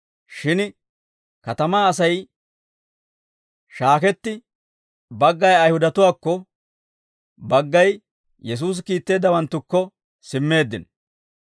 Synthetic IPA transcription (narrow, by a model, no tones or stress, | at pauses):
ʃɪn | kɐt̪ɐmaːɐs̬ɐj | ʃaːkɛt̪ːɪ | bɐɡːɐjɐjhʊd̪ɐt̪ʊwaːkːɔ | bɐɡːɐj | jɛs̬uːs̬kiːt̪ːe̞ːd̪ːɐwɐnt̪ːʊkːɔ | sɪmːe̞ːd̪ːɪn